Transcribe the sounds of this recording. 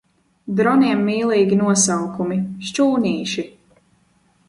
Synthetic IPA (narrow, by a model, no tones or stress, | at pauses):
d̪ɾɔniɛmːiːlˠiːɡʲinuɔsawkumiʃt͡ʃuːniːʃi